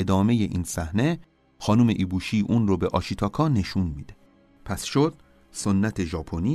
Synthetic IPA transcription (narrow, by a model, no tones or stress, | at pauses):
ed̪ɒːme̞je̞ʔiːnsæhne̞ | xɒːnume̞ʔiːbuːʃiːʔuːnrobe̞ʔɒːʃit̪ʰɒːkʰɒːne̞ʃunmid̪e | pʰæsʃod̪̥̚ | so̞nːæt̪ʰeʒɒːpʰoniː